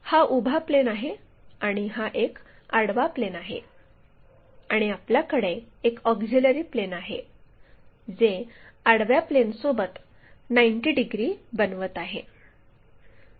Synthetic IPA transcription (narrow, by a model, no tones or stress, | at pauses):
haʔubʱaplenaɦe | aɽ̃iɦaʔek | aɽʋaplenaɦḛ | aɽ̃iapljakəɽeː | kɔɡd͡ʑeləɾiːplenaɦḛ | d͡zeaɽʋjaplensobət̪ | najɳʈiːɖiɡɾiːbənʋət̪aɦḛ